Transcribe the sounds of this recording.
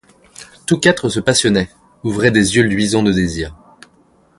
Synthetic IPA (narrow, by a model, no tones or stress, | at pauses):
t̪ukat̪χəsəpasjɔnɛ | uvʁɛd̪ezjølɥizɑ̃d̪əd̪eziːʁ